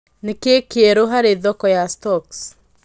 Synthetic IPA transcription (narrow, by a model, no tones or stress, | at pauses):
nekekeeɾoɦaɾeðɔkɔjastɔks